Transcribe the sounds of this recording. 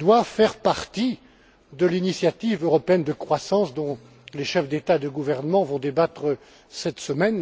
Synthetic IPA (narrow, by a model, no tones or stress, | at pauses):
d̪wavfɛʁpaʁt̪i | d̪əlinisjat̪ivøʁɔpeɛnd̪əkχwasɑ̃sd̪ɔ̃ | leʃɛfd̪et̪ad̪əɡuvɛʁnəmɑ̃vɔ̃d̪ebat̪χə | sɛt̪səmɛn